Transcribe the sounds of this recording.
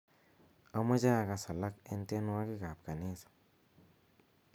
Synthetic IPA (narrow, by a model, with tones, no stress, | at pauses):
a˦ma˦d͡ʒa˦˨ɡa˧sa˨la˦ke˧˦nt̪e˦nwa˦ɡi˦ɡa˨p̚ɡa˨ni˦sḁ˨